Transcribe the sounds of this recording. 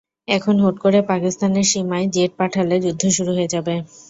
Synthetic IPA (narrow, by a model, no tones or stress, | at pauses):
ɛkʰonɦoʈkoɾepakist̪aneɾʃimaed͡ʑeʈ̚paʈʰaled͡ʑud̪ʱːoʃuɾuɦoed͡ʑabe